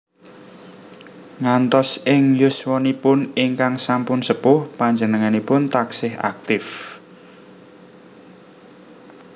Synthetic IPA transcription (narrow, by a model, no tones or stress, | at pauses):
ŋant̪ɔsɪŋjʊswɔnipʊnɪŋkaŋsampʊnsəpʊhpaɲd͡ʒənəŋanipʊnt̪aksɪha̰k̚t̪ɪf